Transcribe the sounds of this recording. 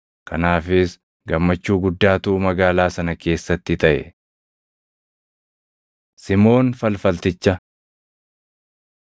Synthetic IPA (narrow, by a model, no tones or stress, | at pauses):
kʰɐnaːfɪs | ɡɐmːɐt͡ʃːuːɡʊd̪ːaːt̪uʔːmɐɡaːlaːsɐnɐkʰe̞ːsːɐt̪ːɪt̪ɐʔɛ̰ | sɪmo̞ːnfɐlfɐlt̪ɪt͡ʃːɐ